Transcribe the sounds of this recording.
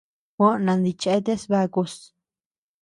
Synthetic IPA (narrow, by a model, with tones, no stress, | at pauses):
kʷo˦nã˧nd̪i˧t͡ʃe˧˦t̪e˦sba˧ku˧s